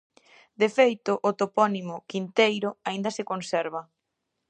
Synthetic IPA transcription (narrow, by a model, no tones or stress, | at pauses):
d̪efejt̪ʊʔːt̪opɔnimʊkint̪ejɾʊaind̪ɐsɪkonsɛɾβɐ